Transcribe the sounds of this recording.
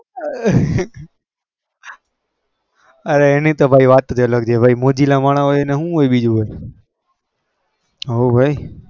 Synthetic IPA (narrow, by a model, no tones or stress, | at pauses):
əɾeenẽt̪obʱaːiʋaːt̪t̪ːʰəjoləɡd͡ʒeːbʱaːimoːd͡ʒiːlãmaːɳãɦoːjeneɦũɦoːeɓiːd͡ʒũɦoe | ɦoːbʱaːi